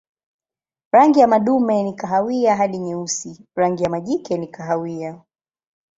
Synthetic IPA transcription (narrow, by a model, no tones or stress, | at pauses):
ɾaŋɡijamaɗumɛnikaɦawiaɦaɗiɲɛusiɾaŋɡijamaʄikɛnikaɦawia